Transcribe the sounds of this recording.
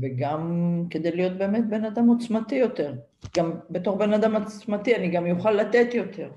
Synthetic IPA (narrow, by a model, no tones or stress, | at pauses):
veɡamke̞d̪ejlijo̞t̪̚be̞ːmet̪̚be̞nad̪amot͡smat̪ijo̞t̪e̞ʁ | ɡambet̪o̞χbe̞nad̪amat͡smat̪ianiɡamjuχalːat̪e̞t̪jo̞t̪ʰe̞ʁ